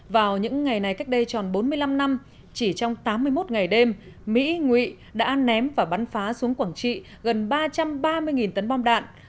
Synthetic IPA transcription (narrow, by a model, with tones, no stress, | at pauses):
vaː˨˩wɲɨ̰˧˥ŋːa˨˩jna˨˩jka˦˥jk̚ɗə˧jt͡ɕɔ˨˩nɓo˨˦nmɨ˧əjla˧mna˧m | t͡ɕi˧˩t͡ɕɔ˧wŋ͡mt̪aː˨˦mːɨ˧əjmo˦˥t̚ŋa˨˩jɗe˧m | mḭ˧˥ŋwḭ˧˨ | ɗa̰ː˧˥nɛ˨˦mvaː˨˩ɓa˨˦nfaː˨˦su˨˦əŋkwaː˧˩ŋt͡ɕḭ˧˨ | ɣə˨˩nɓaː˧t͡ɕa˧mɓaː˧mɨ˧əjŋi˨˩nt̪ə˨˦nɓɔ˧mɗa̰ː˧˨nʔ